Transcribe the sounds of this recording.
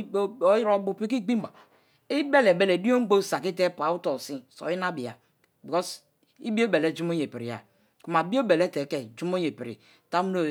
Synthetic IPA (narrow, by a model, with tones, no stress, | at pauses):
o˦ji˦ɾo˦bu˨pi˦k̬i˦ɡ͡bi˦ba˨ | i˦be˦le˨be˦le˨di˦o˦ŋ̩˦ɡ͡bo˦˨sa˨ki˦te˦pa˨˦u˦to˨si˦so̰˨i˦na˦bi˨a˨ | bi˨kɔ˦s | i˦bi˦o˦be˨le˨˦d͡ʒu˦mo˦je˨pi˨ɾi˨ja̰˨ | ku˨ma˨bi˦o˦be˨le˦te˨ke˨d͡ʒu˦mo˦je˨pi˨ɾḭ˨ | ta˦mu˦no˦